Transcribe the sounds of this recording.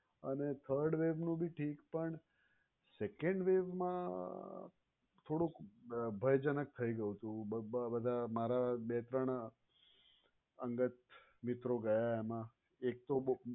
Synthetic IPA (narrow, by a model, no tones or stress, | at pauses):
ənet̪ʰəɾɖʋeʋnũbʱiʈʰiːkpəɳ | sekeɳɖʋeʋmã | t̪ʰoɽũkbʱəjd͡ʒənək̚t̪ʰəiɡəjũt̪ũbəd̪ʱamaɾabet̪ɾəɳ̃ | əŋɡət̪ | mɪt̪ɾoɡəjaemã | ek̚t̪o